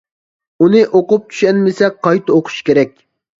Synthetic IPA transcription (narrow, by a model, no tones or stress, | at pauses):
unɨʔoqʊp̚t͡ʃ̪ʰy̥ʃɛnmɪsɛqʰɑjt̪ʰɨoqʰʊ̥ʃkʲeɾɛkʲ